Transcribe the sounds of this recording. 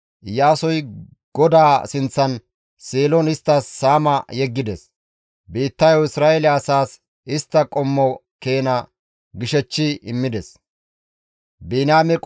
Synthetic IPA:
jaːsɔj | ɡ̥ɔd̪aːsɪnt͡sːɐn | seːlɔnɪst̪ːɐsːaːmɐjɛɡːɪd̪ɛs | biːt̪ːɐjɔɪsɾaːʔɛlɪɐsaːs | ɪst̪ːɐkʼɔmːɔ | keːnɐ | ɡɪʃɛt͡ʃːɪɪmːɪd̪ɛs | biːnaːmɛkʼ

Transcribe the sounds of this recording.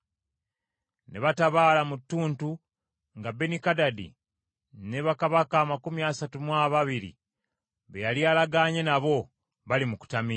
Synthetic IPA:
ne̞βataβaːlamutːuːntu | ŋɡabe̞nikadadḭ | ne̞βakaβakaːmakumjaːsatumwaβaβiɾḭ | βejalialaɡaɲe̞naβo̞ | βalimuku̥tami

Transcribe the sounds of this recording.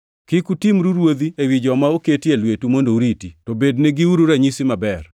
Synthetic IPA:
kɪkutimɾuɾwod̪iewid͡ʒɔmaoketielwetumondouɾititobedneɡiuɾuɾaɲisimabɛr

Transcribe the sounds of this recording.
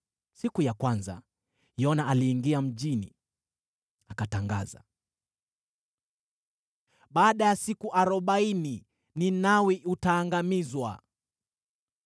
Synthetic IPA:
sikujakwanza̰ | jɔnaaliːŋɡiam̩ʄinḭ | akataŋɡa̰za̰ | ɓaːɗajasikuʔaɾɔɓaini | ninawiʔutaːŋɡamizwa̰

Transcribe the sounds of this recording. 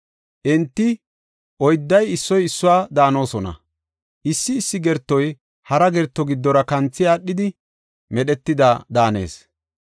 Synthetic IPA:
ʔɛnt̪ːɪ | ʔɔjd̪ːɐjɪsːɔjɪsːʊwaːd̪aːno̞ːsɔnɐ̰ | ʔɪsːɪːsːɪɡɛɾt̪ːɔj | hɐɾɐɡɛɾt̪ːɔɡɪd̪ːɔɾɐkɐnt͡sːɪjaːɗːɪd̪ɪ | mɛɗɛt̪ːɪd̪aːd̪aːne̞̰ːs

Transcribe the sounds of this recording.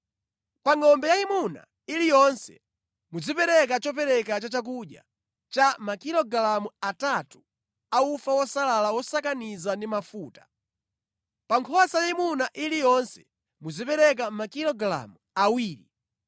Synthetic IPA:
paŋɔmbɛjaimuna̰ | ilijɔnsɛ̰ | mud͡zipɛɾɛk̬at͡ʃɔp̬ɛɾɛkat͡ʃat͡ʃak̬uɗja̰ | t͡ʃamakilɔɡlamuatatu | aufawɔsalalawɔsakanizandimafuːtḁ | paŋkʰɔasajaimunaʔilijɔnsɛ̥ | mud͡zipɛɾɛk̬amakilɔɡla̰muawiːɾḭ

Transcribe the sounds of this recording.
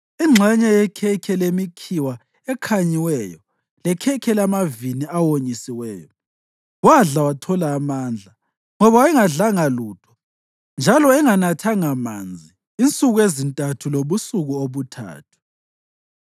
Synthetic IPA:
iŋ͡ǁʱɛɲɛjɛkʰɛkʰɛlemikʰiwa | ɛkʰaɲiwɛjɔ | lɛkʰɛkʰɛlamaviniawoɲisiwɛːjɔ | waɮawatʰɔlaːmand͡ɮʱa | ŋɔβaɛŋaɮaŋaluːtʰɔ̥ | nd͡ʒʱalɔɛŋanatʰaŋama̰nd͡zʱiːnt͡sʼuɣuezintʼatʰuloβusuɣuoβutʰa̰ːtʰu̥

